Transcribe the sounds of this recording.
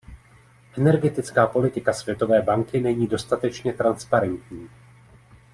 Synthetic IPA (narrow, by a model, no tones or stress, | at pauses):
ʔɛnɛɾɡɛt̪ɪt͡skaːpo̞lɪt̪ɪkasvjɛt̪o̞vɛːbaŋkɪnɛɲiːdo̞st̪at̪ɛt͡ʃɲɛt̪ɾanspaɾɛnt̪ɲiː